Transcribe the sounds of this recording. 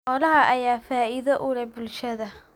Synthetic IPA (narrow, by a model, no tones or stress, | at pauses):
ʔɔlɐɦɐʔɐjaːfaːɪðɐʔʊlɛbʊlʃɐðɐ